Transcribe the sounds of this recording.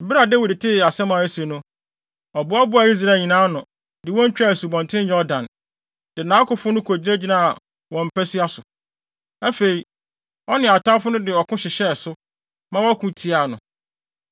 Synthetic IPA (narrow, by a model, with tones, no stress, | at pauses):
m̩˨bi˦ɾa˨de˦wi˨dtʰɪ˦˨a˨sɛ˦mã˨æ˦si˨ɛ˨nʊ̃˦ | ɔ˨bʊ˦a˦bʊ˦a˨i˦s̬ɾa˦˨ɲĩ˨nãː˦nʊ̃˨ | dɪ˨wɔ̃˦ɲ̩˦t͡ɕᶣa˦˨su˨bɔ̃˨ntʰɪ̃˦jɔ˦dã˨n | d̥ɪ˨nãː˨˦kʊ˨fʊ̃˦nʊ̃˦kʰo˨d͡ʑi˦e˦d͡ʑi˦nã˦a˨ | wɔ̃˨m̩˨pʰæ˦si˦a˦sʊ˨ | æ˦fe˨i˨ | ɔ˦nɪ̃˨a˨tʰã˦fʊ˦nʊ̃˦dɪ˨ɔ˨kʰʊ̃˦ɕɪ˨ɕɛ˦˨sʊ˦ | mã˦wɔ˦æ˦kʰũ˦tʰi˦a˨nʊ̰̃˨